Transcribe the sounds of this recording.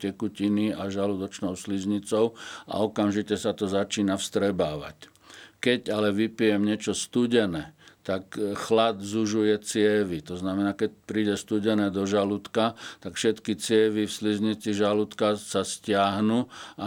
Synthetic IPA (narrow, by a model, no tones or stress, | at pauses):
cɛkuciniaʒalud̪ɔt͡ʃnɔʊslizɲit͡sɔʊa̰ɔkamʒicɛsat̪ɔzat͡ʃiːnafst̪ɾɛbaːʋa̰c | kɛɟalɛʋipijɛmɲɛt͡ʃɔst̪uɟɛnɛːt̪akxlad̪zuʒujɛt͡sɪɛʋit̪ɔznamɛnaːkɛc̚pɾiːɟɛst̪uɟɛnɛːd̪ɔʒalut̪kat̪akfʃɛt̪kit͡sɪɛʋifslizɲit͡siʒalut̪kasascɪaɦnua